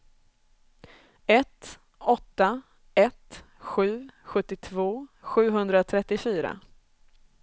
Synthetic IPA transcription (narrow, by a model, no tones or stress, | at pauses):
ɛt̪ | ɔt̪ːa | ɛt̪ | ɧʉ̟ːɧɵt̪ːɪt̪ʰvoːɧʉ̟ːɦɵnd̪ɾat̪ʰɾɛt̪ːɪfyːɾa̰